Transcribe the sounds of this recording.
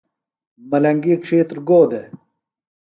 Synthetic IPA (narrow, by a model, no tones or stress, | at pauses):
mɐlɐŋɡikʂʰeːt̪ɾɡoːd̪e